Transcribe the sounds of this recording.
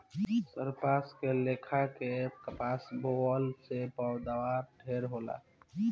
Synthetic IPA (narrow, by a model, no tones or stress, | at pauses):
səɾpaːskeleːkʰakekəpaːsboɔlsepaʊd̪awaʈʰeːɾɦoːla̰ː